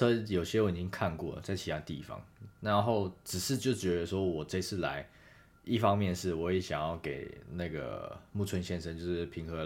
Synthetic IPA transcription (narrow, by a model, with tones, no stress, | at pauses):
ɤ˥jo˨˩ʊɕjɛ˥wɔ˨˩i˨˩t͡ɕi˥ŋkʰa˥˧nkwɔ̰˥˩ə̰˩t͡sa˥˩ɪt͡ɕʰi˨˩a˧˥t̪i˥˨fɑ̰˧˦ŋna˧˦nxo˥˩ʊʈ͡ʂɻ̩˨˩ʂɻ̩˥˧t͡ɕjo˥˩ʊt͡ɕɥɛ˧˥d̪ə˧ʂwɔ˥wɔ˨˩ʈ͡ʂɪt͡sʰɹ̩˥˩la̰˧˦ɪ | i˥˩fɑ˥ŋmjɛ˥˨nʂɻ̩˥˩wɔ˧˦˥je˧˦ɕjɑ˨˩ŋjɑ˥˩ʊke˨˩ɪna˥˩ɡə̰˩mu˥˩t͡sʰwə˧˦nɕjɛ˥˧nʂə˥nt͡ɕjo˥˧ʊʂɻ̩˥˩pʰi˧˥ŋxɤ˧˥